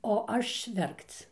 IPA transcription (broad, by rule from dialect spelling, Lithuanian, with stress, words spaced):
oː ˈɐʃ ˈʋʲɛrkt͡s